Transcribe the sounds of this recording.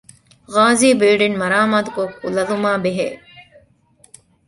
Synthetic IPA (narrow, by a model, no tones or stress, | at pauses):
ɣaːziːbiːɖinmɐɾaːmaːt̪ukokṵlɐlumaːbeɦḛː